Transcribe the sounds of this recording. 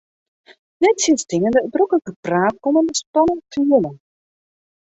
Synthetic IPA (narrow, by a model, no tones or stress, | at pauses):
nɛtsiəstɪŋəndədrøkələkəpraːt̚kɔməndəstɔnənfyələn